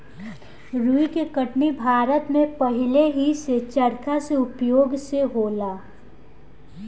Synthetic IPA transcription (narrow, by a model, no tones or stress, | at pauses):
ɾuikekɐʈnibʱaːɾət̪mẽpɐɦɪleɦiset͡ʃɐɾkaseʊpjoːɡseɦoːlaː